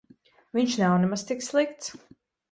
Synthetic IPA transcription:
viɲʃnawnɛmast̪ikslˠikt̪s

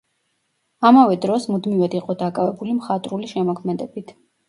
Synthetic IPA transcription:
amavɛd̪ɾɔsmud̪mivad̪iqʼɔd̪akʼavɛbulimχat̪ʼɾuliʃɛmɔkʰmɛd̪ɛbit̪ʰ

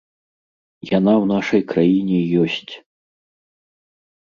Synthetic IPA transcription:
janawnaʂɐjkɾajinʲɛjɔsʲt͡sʲ

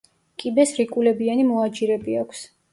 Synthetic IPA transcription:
kʼibɛsɾikʼulɛbianimɔad͡ʒiɾɛbiakʷʰs

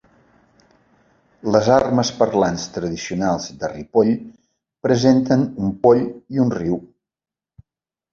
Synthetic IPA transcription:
ləzarməspərlanst̪ɾəðisiunalˠzd̪əripoʎ | pɾəzent̪ənumpoʎiunriw

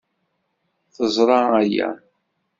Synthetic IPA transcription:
θəzˤɾˤɑæjæ̰

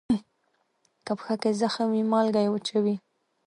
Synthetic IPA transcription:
kapxakezaxawimɑlɡajwət͡ʃawi

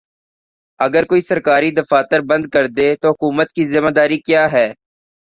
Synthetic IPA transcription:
əɡəɾkoːiːsəɾkaːɾiːd̪əfaːt̪əɾbə̃nd̪̚kəɾd̪eːt̪oːɦʊkuːmət̪̚kiːzɪmaːd̪aːɾiːkjaːɦɛː

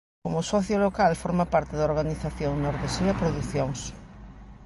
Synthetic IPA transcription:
komʊsɔθjolokalfɔɾmapaɾt̪ɪðɐoɾɣaniθaθjoŋnoɾðesiɐpɾoðuθjoŋs

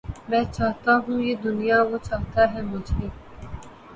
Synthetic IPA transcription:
mɛ̃ːt͡ʃaːɦt̪aɦũjeːd̪ʊnijaʋot͡ʃaːɦt̪aɦɛmʊd͡ʒʱɦiː

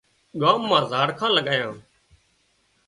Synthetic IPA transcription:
ɠaːmːãːzaːɽkʰãːləɠaːjãː

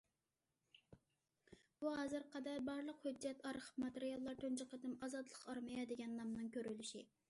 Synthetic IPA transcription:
buɦɑzɨɾqʰɑd̪ɑɾbɑɾlˠəqhød͡ʒːɛt̪ɑɾχmɑt̪eɾijɑlˠːɑɾt̪ʰønd͡ʒɨqəd̪ɨmɑzɑt̪lˠəqɑɾmɨjɑd̪eɡʲɛnːɑmnɨŋkʲøɾylyʃi

